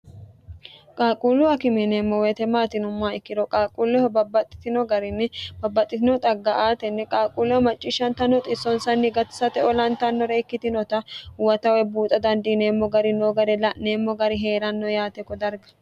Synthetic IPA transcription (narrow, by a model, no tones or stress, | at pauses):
kʼaːkʼuːlʊɐkɪmɛnemːɔwet̪ɛmaːt̪ɪnʊmːaːɪkːɪɾɔkʼaːkʼulːɔhɐbɐbːɐt̪ʼːɪ̥t̪ɪnɔɡɐɾɪnːɛb̥ɐbːɐt̪ʼːɪt̪ɪnɔt̪ʼɐɡːɐʔaːt̪ɛnːɛkʼaːkʼulːɔwɐmɐt͡ʃʼːɪʃːɐnt̪ɐnːɔt̪ʼɪsɔnsɐnːɪɡɐt̪ɪ̥sɐt̪ɛɔlɐnt̪ɐnːɔɾɛɪkːɪt̪ɪnɔt̪ɐwɐt̪ɐwɛbuːt̪ʼɐd̪ɐnd̪ineːmːɔɡɐɾɪnoːɡɐɾɛlɐneːmːɔɡɐɾɪɦe̞ːɾɐnːɔjaːt̪ɛkːɔd̪ɐɾɡɐ̥